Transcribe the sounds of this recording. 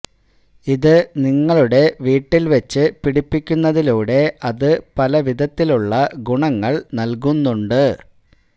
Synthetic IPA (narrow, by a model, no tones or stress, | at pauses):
iðɨniŋːɐɭuɽe̞ʋiːʈːilʋet͡ɕːɨpiɽipːikʲːunːɐðiluːɽe̞ʔɐðɨpɐlɐʋid̪ɐt̪ːiluɭːɐɡuɳɐŋːɐɭnɐlkunːuɳɖɨ